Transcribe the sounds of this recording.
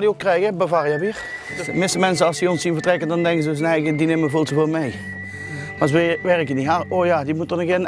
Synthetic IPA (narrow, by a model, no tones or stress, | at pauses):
diokːrɛjɣəbəvarəjɛʋiːr | mɪsəmɛnsəɑlˠsiɔnsinvərtrɛkəndɔndɛŋkəzəøs̬ənɛɣədineməvolˠsovoːlˠmej | masʋeʋɛrəkəndiɦaoːjadimutɔnəkɪn